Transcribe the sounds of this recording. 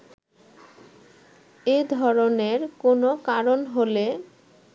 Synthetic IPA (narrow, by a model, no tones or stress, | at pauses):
ed̪ʱɔɾoneɾkonokaɾonɦole